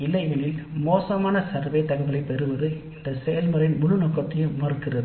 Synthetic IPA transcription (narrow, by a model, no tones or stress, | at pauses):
ɪlɐɪʋɐlɪlmoːsɐmaːnɐsɐɾʋeɪt̪ːɐɣɐʋɐɭɐɪpɛɾɯʋɐðɯɪnd̪ɐsɛjɐlmɐɾɐjnmʊlɯnoːkːɐt̪ːɐjɯmɐrɯkːɪrɐðɯ